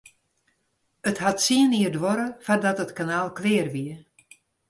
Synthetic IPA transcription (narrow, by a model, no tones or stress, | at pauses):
əthatsiəniərdʋɔɾəfadɔtətkanaːlˠklɪːrʋiə